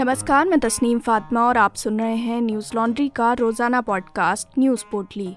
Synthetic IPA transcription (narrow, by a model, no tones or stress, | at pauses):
nɐməskaːɾmẽt̪ɐsniːmfaːt̪maɔːɾaːpsʊnɾɐɦeɦɛ̃njuːzlɔːɳɖɾikaɾoːzaːnapɔːɖkaːsʈnjuːzpoːʈliː